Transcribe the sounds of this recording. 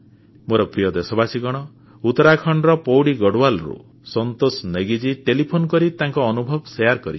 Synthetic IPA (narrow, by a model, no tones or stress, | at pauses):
moɾɔpɾijɔd̪esɔbasiɡɔɽ̃ɔ | ut̪ɔɾakʰɔɳɖɾɔpɔwɽiɡɔɽwalɾṵ | sɔnt̪osneɡid͡ʒiʈelipʰonkɔɾit̪aŋkɔːnubʱɔbsejaɾkɔɾit͡ʃʰi̥